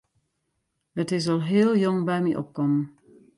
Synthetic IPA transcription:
hətɪsɔlˠɦɪːlˠjɔŋbɛjmiʔɔ̰p̚kɔmən

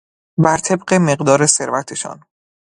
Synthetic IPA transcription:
bæɾt̪ʰe̞b̚ɢe̞me̞ɢd̪ɒːɾe̞se̞ɾvæt̪ʰeʃɒ̰ːn

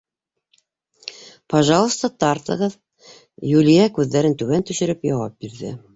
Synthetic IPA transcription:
pɑʒɑlˠə̆st̪ɑt̪ɑrt̪ɤ̰̆ʁɤð | jʉlʲijɑkʉðːæɾɘnt̪ʉβænt̪ɵ̆ʃɘ̆ɾɘpjɑwɑp̚biɾðɘ̰

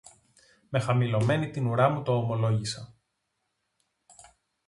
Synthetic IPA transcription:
me̞xɐmilo̞me̞nit̪inuɾɐmut̪o̞ːmo̞lo̞ʝisɐ

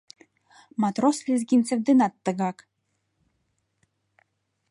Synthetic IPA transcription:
mɑt̪roslʲezɡʲint͡sĕvd̪enɑt̪ːɤ̆ɣɑk

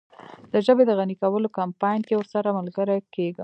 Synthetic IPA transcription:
d̪̥əʒəbed̪əɣanikawəlokampɑjnkewəɾsaɾamalɡəɾakeɡə

